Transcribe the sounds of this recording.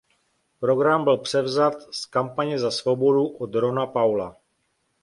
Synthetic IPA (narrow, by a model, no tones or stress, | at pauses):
pɾo̞ɡɾambɪlpr̝̥ɛvzat̪skampaɲɛzasvobo̞duʔod̪ɾo̞napawla